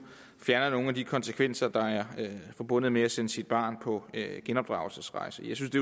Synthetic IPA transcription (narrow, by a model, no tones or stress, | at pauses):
fjæɐnɐno̝ːŋ̩æd̥ikʰɒ̽nsəkʰʋen̰sɐd̥ɑ̈æɐfɒ̽b̥ɔ̽n̰ð̞̩ˠmeæsenəsid̥̚b̥ɑ̰̈ːnpʰɒ̽øɡ̥enɒ̽b̥d̥ʁɑ̈ʊl̩səsʁɑ̈ɪsəjɑ̈ɪsynsd̥e